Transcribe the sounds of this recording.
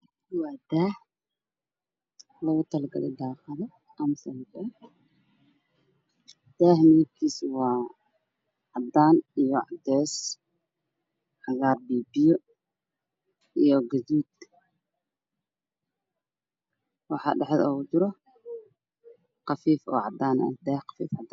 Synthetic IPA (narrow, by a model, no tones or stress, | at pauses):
wɑːd̪aːh | lɐɣʊt̪ʰɐlɐɡɐ̰lɛ̰d̪aːqɐðɐ | ʔɐmsɐlkɛ | d̪̥aːhmiːb̚kʰiːswɑː | ʕɑd̪ːaːnijɔʕɑ̰d̪ɛːs | ħɑɣaːrbiːbɪjɔ | ijɔɡɐðuːd̪̥̚ | wɑħɑ̰ːɖɛħðɔ̰ːd͡ʒɪɾɔ | qɑfiːfɔ̰ːʕɑd̪aːnɐ̰d̪ɛːhqɑ̥fḭːfʕɑd̪a